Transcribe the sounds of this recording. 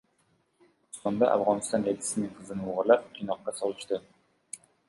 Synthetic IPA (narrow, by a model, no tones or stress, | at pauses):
ʊst̪ɑnd̪ɑʔa̰fʁɑnɨst̪ɑned̪ɪ̥sɪnɨŋqʰəzɨnɨuʁʊɾlˠɑp̚kʲʰinɑqːɑsɑlˠɨʃt̪ɨ